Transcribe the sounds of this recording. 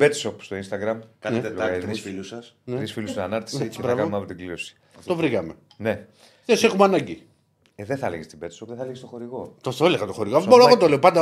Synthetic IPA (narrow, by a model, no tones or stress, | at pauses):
bet̪sopst̪o̞inst̪ɐɡɾɐmkɐnet̪eɐɾisfilusɐsnɾisfilussɐnɐɾt̪i̥sseiebɾɐvkɐomeɐpot̪iɡliɾosi̥ | t̪o̞vɾiɣɐme̞ | ne | ðesexumeɐnɐɲɟi | ðeθɐleʝest̪ibet̪sopðeθɐleɣest̪oxo̞ɾiɣot̪oθoeleɣɐt̪oxoɾiɣoboɾoeɣot̪oleopɐnd̪ɐ